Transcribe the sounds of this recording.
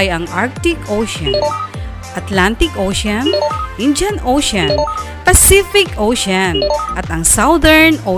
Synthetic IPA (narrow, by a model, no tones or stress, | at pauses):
jɐŋʔaɹk̚t̪ɪkʔowʃɐn | ʔɐt̪lant̪ɪkʔoːʃɐnʔɪnd͡ʒɐnʔowʃɐn | pɐsifɪkʔoʃanʔɐt̪ɐŋsawd̪ɛɹno